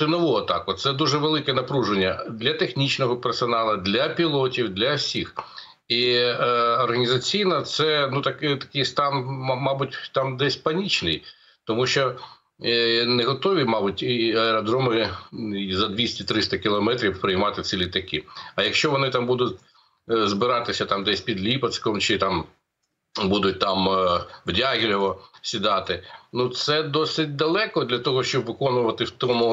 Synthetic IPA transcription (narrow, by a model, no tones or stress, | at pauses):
ɪnɔʋuɐt̪ɑ̰kʊt̪sɛd̪uʒɛʋelˠɪkɛnɐpɾuʒenʲːɐd̪lʲɐt̪exnʲit͡ʃnɔɦɔpɛrsɔnɑlˠɐd̪lʲɐpʲilˠɔtʲiwd̪lʲɐwsʲix | iː | rɦɐnʲizɐt͡sʲijnɐt̪sɛnut̪ɐkɪt̪ɐ̥kɪjst̪ɑnmɑbʊtʲt̪ɑmd̪ɛsʲpɐnʲit͡ʃnɪj | t̪ɔmuʃt͡ʃɔ | nɛɦɔt̪ɔʋʲimɑbʊtʲɐɛɾɔd̪ɾɔmɪ | zɐd̪ʲʋʲisʲtʲit̪ɾɪst̪ɐkʲɪlˠɔmɛt̪ɾʲiwpɾɪjmɑt̪ɪt̪sʲilʲit̪ɐkɪɐjɐkʃt͡ʃɔʋɔnɪt̪ɑmbud̪ʊtʲ | zbɪɾɑt̪ɪsʲɐt̪ɑmd̪ɛsʲpʲid̪lʲipɐskɔmt͡ʃɪt̪ɑm | bud̪ʊt̚ʲt̪ɑmʋdʲaɦʲilʲɔʋɔsʲid̪ɑt̪ɪnut̪sɛd̪ɔsɪt̚ʲd̪ɐlˠɛkɔd̪lʲɐt̪ɔɦɔʃt͡ʃɔbʋɪkɔnʊʋɐt̪ɪwt̪ɔmʊ